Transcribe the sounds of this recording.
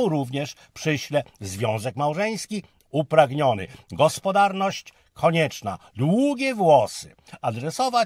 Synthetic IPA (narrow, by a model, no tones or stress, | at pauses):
wɾuvɲɛʂ | pʂɘɕlɛzvʲjɔ̃w̃zɛkmawʐɛj̃skʲi | upɾaɡɲɔnɘ̰ɡɔspɔd̪aɾnɔɕt͡ɕ | kʰɔɲɛt͡ʂna̰d̪wuɡʲɛvwɔsɘ̥̰ | ad̪ɾɛsɔva